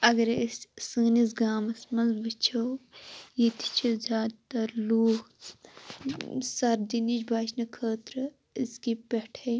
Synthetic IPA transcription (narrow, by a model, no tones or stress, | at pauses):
ɐɡɐɾissɨːnis̬ɡaːmɐsmɐnzbɨt͡ʃʰɐwjit̪ʰi̥t͡ʃʰizʲaːd̪t̪ɐɾluːk | sɐɾd̪init͡ʃbʱaːt͡ʃnɐkʰəːt̪ɾɨ | iskipeʈʰɐj